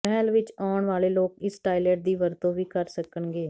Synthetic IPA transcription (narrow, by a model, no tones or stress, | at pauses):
pɛːlʋɪt͡ʃaːɳʋaːleːloːkɪsʈaːɪlɛːʈ̚d̪iːʋəɾt̪õːʋiːkəɾsəkənɡeː